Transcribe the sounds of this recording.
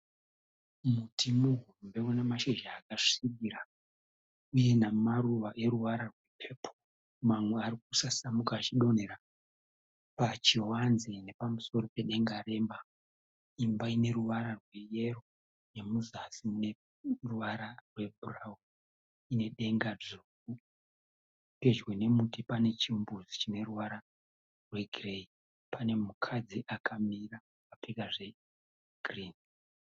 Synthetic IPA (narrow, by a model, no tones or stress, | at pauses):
mutʰimuɦurumbe̞wunemaʃeʒaːkaʐi̥sikiɾa | uje̞namaruʋaʔe̞ɾuʋaɾarwe̞pʰe̞ːpʰo̥ | mamwe̞aɾik̚usasamukaːt͡ʃiɗo̞neɾa | pat͡ʃiɦwanzene̞pamuso̞ɾo̞pe̞ɗe̞ŋɡaɾe̞ːmba | imbaine̞ɾuʋaɾarwe̞je̞ro̞ | ne̞muzasimune̞ | ruʋaɾarwe̞burau | ine̞ɗe̞ŋɡad͡zuku | pe̞d͡ʒwene̞mutipane̞t͡ʃiumbuzit͡ʃine̞ruʋaɾa | rwe̞ɡʱirei | pane̞mukʰad͡ziʔakʰamira | papekaʐe̞ | ɡ̥ʱriːn